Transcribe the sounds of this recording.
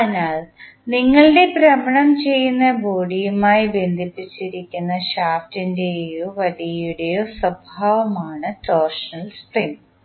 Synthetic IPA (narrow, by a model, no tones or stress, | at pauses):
ɐnaːɭ | niŋːɐɭɨɖe̞pɾɐmɐɳɐmt͡ɕe̞jːunːɐbo̞ːɽijumaːjibe̞nd̪ʱipːit͡ɕːiɾikʲːunːɐɕaːftinde̞joʋɐlijuɽe̞joːsɐbʱaːʋɐmaːɳɨtoːrʂɐnɐlsprim